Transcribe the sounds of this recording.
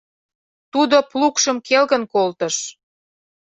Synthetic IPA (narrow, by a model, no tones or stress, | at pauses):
t̪ud̪oplukʃəmkelɣə̆nkolt̪ə̆ʃ